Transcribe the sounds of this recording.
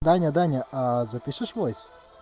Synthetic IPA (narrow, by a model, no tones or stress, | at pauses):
d̪anʲɐd̪anʲɐazɐpʲiʂɨʂvojsʲ